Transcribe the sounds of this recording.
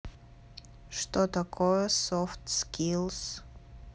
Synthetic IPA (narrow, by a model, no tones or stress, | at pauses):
ʂtotʰakʰojɛsoftʰskʰʲilˠs